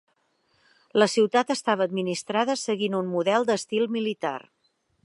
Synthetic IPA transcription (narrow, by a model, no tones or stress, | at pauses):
ləsiwt̪at̪əst̪aβəːd̪minist̪ɾaðəsəɣinunmuðɛlˠd̪əst̪ilˠmilit̪a̰r